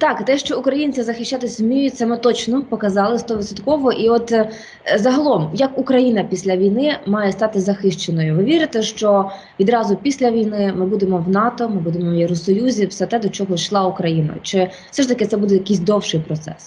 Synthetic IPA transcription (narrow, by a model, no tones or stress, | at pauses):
t̪ɑkt̪ɛʃt͡ʃɔukɾɐjinʲt͡sʲizɐxɪʃt͡ʃːat̪ɪsʲmʲijʊsɛmɛt̪ɔt͡ʃnɔpɔkɐzɑlˠɪst̪ɔʋɪt̪sɔt̪kɔʋɔʔiɔt̪ | zɐɦɐlˠɔmjɐkʊkɾɐjinɐpʲisʲlʲɐʋʲijnɪmɑjɛst̪ɑt̪ɪzɐxɪʃt͡ʃenɔjʊʋɪʋʲiɾɪt̪ɛʃt͡ʃɔ | ʋʲid̪ɾɑzʊpʲisʲlʲɐʋʲijnɪmɪbud̪emɔwnɑt̪ɔmɪbud̪emɔwjeɾɔsɔjuzʲiwsɛt̪ɛd̪ɔt͡ʃɔɦɔʃlˠɑʊkɾɐjinɐ̰t͡ʃɪ̥ | sɛʃt̪ɐkɪt̪sɛbud̪ɛjɐkɪjs̬ʲd̪ɔwʃɪjpɾɔt̪sɛ̰s